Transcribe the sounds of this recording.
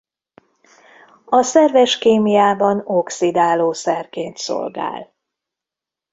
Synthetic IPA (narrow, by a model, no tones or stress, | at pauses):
ɒsɛrvɛʃkeːmijaːbɒno̞ksid̪aːloːsɛrkeːnt̪so̰lɡa̰ːl